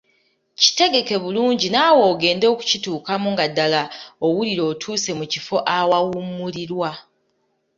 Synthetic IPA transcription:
ci̥te̞ɡe̞ke̞βuluːɲɟinaːwo̞ːɡe̞ːndo̞ku̥cituːkamuŋɡadːalaowuliɾo̞ːtʰuːse̞mucifo̞ʔawawumuliɾwa

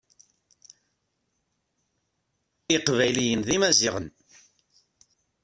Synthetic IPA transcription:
iqvæjlijənðimæziʁən

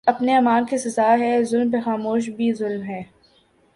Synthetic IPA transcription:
ɐpneɐmaːlkesɪzaːɦɛzʊlmpexaːmoːʃ̬bʱizʊlmɦɛː

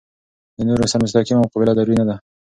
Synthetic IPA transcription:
d̪ənoɾosaɾmʊs̬t̪ɑkimamqɑbɪlad̪aɾwinad̪a

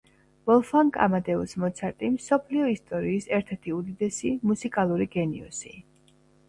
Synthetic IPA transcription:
b̥ɔlˠfaŋkʼa̰mad̪ɛusmɔt̪sʰaɾt̪ʼimsɔpʰliɔist̪ʼɔɾiːsɛɾt̪ʰɛɾt̪ʰiud̪id̪ɛsimusikʼalˠuɾiɡɛnḭṵsḭ

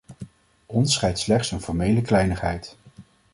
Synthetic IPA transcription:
ɔnsχɛjtslɛχtsənfɔɹmejləklɛjnəχɦɛjt

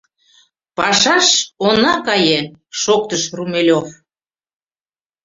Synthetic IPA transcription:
pɑʃɑʃonɑkɑjeʃok̚t̪əʃrumelʲof

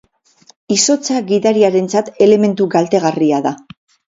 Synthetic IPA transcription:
iso̞t͡saɣiðaɾiaɾe̞nt͡sat̪e̞le̞me̞nt̪uɡalt̪e̞ɣariaða

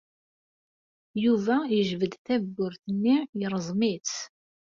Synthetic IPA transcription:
juvæjəʒvəd̪θæɡːʊɾθənːijəɾˤzˤmit͡s

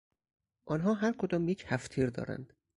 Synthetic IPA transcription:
ʔɒːnɦɒːɦæɾkʰod̪ɒːmjecʰhæft̪ʰiːɾd̪ɒ̰ːɾæ̰nd̪̥

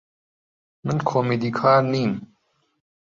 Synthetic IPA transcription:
nənkʰoːmed̪ikʰaːnim

